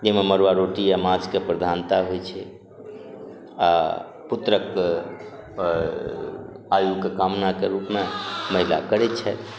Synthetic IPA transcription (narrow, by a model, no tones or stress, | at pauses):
d͡ʒememəɾʋaɾoʈijamad͡ʒkepɾəd̪ʱant̪aɦojt͡ʃʰɛ | a̰ | put̪ɾək | ajuɡkːekamnakeɾupmeməɦila̰kəɾɛt͡ʃʰɛt̪